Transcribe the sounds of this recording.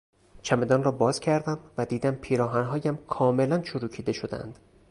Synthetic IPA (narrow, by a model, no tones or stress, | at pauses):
t͡ʃʰæme̞d̪ɒːnrɒːbɒːz̥cʰæɾd̪æmvæd̪iːd̪æmpʰiːɾɒːɦænɦɒːjæmkʰɒːme̞lænt͡ʃʰoɾuːcʰiːd̪e̞ʃo̞d̪æ̰nd̪̥